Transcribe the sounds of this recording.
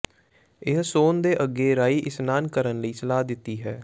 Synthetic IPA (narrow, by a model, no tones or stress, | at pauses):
ɪɦsoːnd̪eːʔəɡːeːɾaːiːʔɪsnaːnkəɾənləiːsəlaːd̪ɪt̪ːiːɦɛː